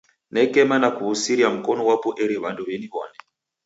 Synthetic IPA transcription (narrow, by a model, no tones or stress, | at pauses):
nɛkɛmanakuβusiɾiam̩kɔnɔwapɔʔɛɾiβandɔβɛniβɔnɛ